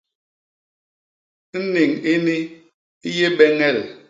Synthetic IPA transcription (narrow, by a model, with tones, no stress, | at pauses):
n̩˦ni˨ŋi˦ni˦ | je˦bɛ˦ŋɛ˦˨l